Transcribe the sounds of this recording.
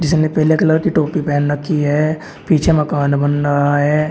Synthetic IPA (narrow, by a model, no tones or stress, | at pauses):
d͡ʒɪsnepɛɦlekləɾkiʈoːpipɛːnɾɐkʰːiɦɛː | piːt͡ʃʰemɐkaːnbənɾaɦaɦɛː